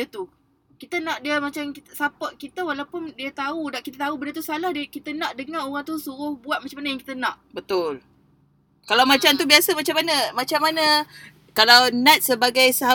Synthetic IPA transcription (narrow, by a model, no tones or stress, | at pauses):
dət̪u | kit̪ənãʔdiəmat͡ʃamkit̪sapəʔkit̪əwalawpʊndiət̪audaʔkit̪ət̪aubənət̪usalahdkit̪ənãʔdəŋãoɣaŋt̪usuɾʊhbuat̪̚mat͡ʃamanəjaŋki̥t̪ənãʔbət̪ʊl | kalawmat͡ʃamt̪ubiasəmat͡ʃamːanəmat͡ʃamːanə | kalawnãt̪̚səbaɡajsaɦa